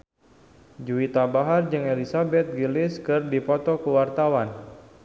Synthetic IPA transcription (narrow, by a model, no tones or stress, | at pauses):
d͡ʒuit̪abaɦard͡ʒɨŋelisabɛt̪̚ɡilɪskɨrdipɔt̪ɔkəwart̪awan